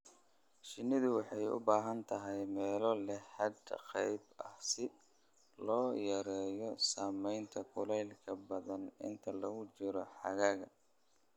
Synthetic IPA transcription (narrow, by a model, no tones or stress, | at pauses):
ʃɪnːɪðʊwɑħɑjʊ̰baːɦɐnt̪ʰɐɦɛjmɛːlɔlɛħɑd̪qɛjbɐhsɪ | lɔːjɐɾɛːjɔsaːmɛjnt̪ʰɐkʰʊlɛjlkʰɐbɐðɐnɪ̰nt̪ʰɐlɐɣʊt͡ʃɪɾɔħɑ̰ɣɐɣɐ